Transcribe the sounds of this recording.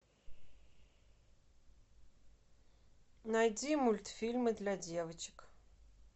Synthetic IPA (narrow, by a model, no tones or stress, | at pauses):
najdimulʲt̪fʲilʲmɨd̪lʲadʲevət͡ʃʰɪ̥k